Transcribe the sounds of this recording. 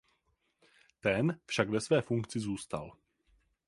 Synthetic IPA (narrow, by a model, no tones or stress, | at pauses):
t̪ɛnfʃaɡvɛsvɛːfuŋkt͡sɪzuːst̪a̰l